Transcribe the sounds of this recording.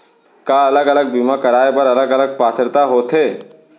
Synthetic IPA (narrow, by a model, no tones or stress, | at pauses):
kaɐləɡɐləɡ̚bimakəɾaːepɐɾɐləɡələɡ̚paːt̪ʰəɾt̪aɦoːt̪ʰɦeː